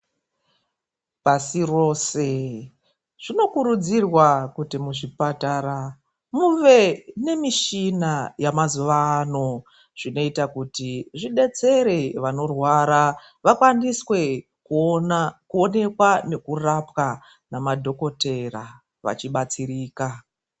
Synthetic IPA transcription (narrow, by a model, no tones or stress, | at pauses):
pasiro̞ːse̞ | ʐ̥ino̞kuɾud͡zirwakutimuʐipataɾa | muʋe̞ne̞miʃinajamazuʋaːno̞ | ʐ̥ino̞itakutiʐiɗe̞t͡se̞ɾeʋano̞rwaːɾa | ʋakwaniswe̞ | kuonakuo̞ne̞kwane̞kurapka | namadʱo̞ko̞te̞ra | ʋa̰t͡ʃiɓat͡siriːka